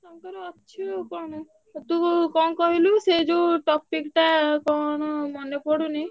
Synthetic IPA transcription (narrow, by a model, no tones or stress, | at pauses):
t̪ɔŋkɔɾeɔtːʃʰikɔɽ̃ɔ | t̪ũkɔnkɔɦilused͡ʒuʈɔpikʈakɔɳ̃ɔmɔnepɔɽuni